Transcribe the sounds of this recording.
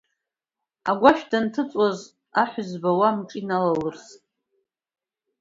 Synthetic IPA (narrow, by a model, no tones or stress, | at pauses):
aɡʷaʃᶣdantʰɨt͡sʼaz | aħʷʏzbawamʈ͡ʂʼinalalɨrs